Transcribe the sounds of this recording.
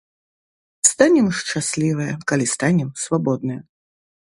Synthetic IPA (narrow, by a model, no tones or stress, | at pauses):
st̪anʲɛmʂt͡ʂasʲlʲivɨjɐkalʲist̪anʲɛmsvabɔd̪nɨjɐ